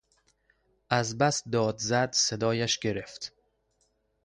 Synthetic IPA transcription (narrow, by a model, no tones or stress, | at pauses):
æzbæsd̪ɒːd̪zæd̪sed̪ɒːjæʃɡeɾeft̪